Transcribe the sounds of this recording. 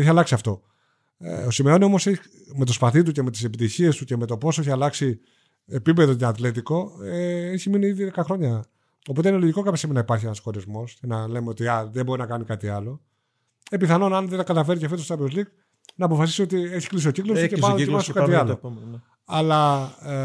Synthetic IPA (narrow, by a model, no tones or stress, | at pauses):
eçiɐlɐksiɐft̪o̞̰ | osimeo̞nio̞moseç | met̪o̞spɐθit̪̬uce̞me̞t̪i̥se̞pit̪içie̞st̪uce̞me̞t̪o̞po̞soe̞çiɐlɐksi | epipe̞ðot̪eɐt̪le̞t̪̬iko̞eeçiminiiðiðekɐxɾo̞ɲɐ | o̞po̞t̪einelo̞ʝiko̞kɐpçesimenɐipɐɾçienɐsxo̞ɾizmo̞scenɐle̞meo̞t̪iɐðebo̞ɾinɐkɐnikɐt̪iɐlo̞ | epiθɐno̞nɐnðet̪ɐkɐt̪ɐfe̞ɾicefot̪ost̪ɐvozlik | nɐːpo̞fɐsisio̞t̪ie̞çi̥klis̬iociklost̪ceɐðoimɐsokɐt̪iɐal | ɐlɐ